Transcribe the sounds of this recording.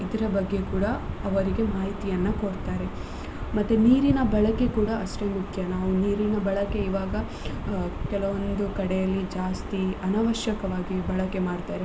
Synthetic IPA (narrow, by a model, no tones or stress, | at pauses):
id̪ɐɾɐbɐɡːe̞kuːɽɐɐʋɐɾiɡe̞maːɦit̪ijɐnːɐkoɽt̪aːɾe̞ | mɐt̪ːuniːɾinɐbɐɭɐke̞kuːɽɐɐʃʈemukʰjɐnaːʋuniːɾinɐbɐɭɐke̞iʋaːɡɐ | kɛlɐʋond̪ukɐɽejɐlːid͡ʒaːst̪iɐnaʋɐʃjɐkɐʋaːɡibɐɭɐke̞maːɽt̪aːɾe